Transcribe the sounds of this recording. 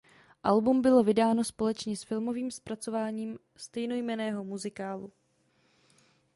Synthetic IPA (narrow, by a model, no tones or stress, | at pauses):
ʔalbumbɪlo̞vɪdaːno̞spo̞lɛt͡ʃɲɛsfɪlmo̞viːmspɾat͡so̞vaːɲiːm | st̪ɛjno̞jmɛnɛːɦo̞muzɪkaːlu